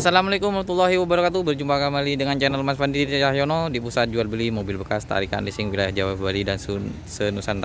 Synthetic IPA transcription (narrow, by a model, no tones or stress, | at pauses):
asalamalakʊmahmat̪ulːaɦiwəbəɾakat̪ubərd͡ʒumpakamalidəŋand͡ʒanalmasfandiit̪ajahjonodipusat̪̚d͡ʒual̚bəlimobilbəkast̪a̰ɾika̰nlisɪŋwilajahd͡ʒawafbalidans | sənusant̪a